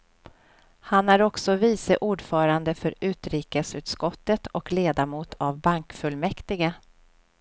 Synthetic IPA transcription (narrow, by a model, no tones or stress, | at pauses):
hanæɾɔksɔviːsəʔuːɖfœːɾand̪əfœɾʉ̟ːt̪ɾiːkəsʉ̟ːt̪skɔt̪ːət̪ʰɔkleːd̪amuːt̪ʰavbaŋkfɵlmɛkt̪ɪɡa